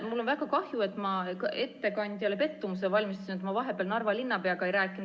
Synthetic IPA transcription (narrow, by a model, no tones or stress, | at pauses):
mulːo̞nvæɡɑkɑhjue̞t̪ːˑmɑke̞t̪ːe̞kɑnʲd̪̥ʲjɑlepe̞t̪ːumus̬evɑlʲmist̪u̥sinet̪mɑvɑɦe̞pˑeːlnɑrvɑlinːɑpeɑkɑejɾæːkːˑin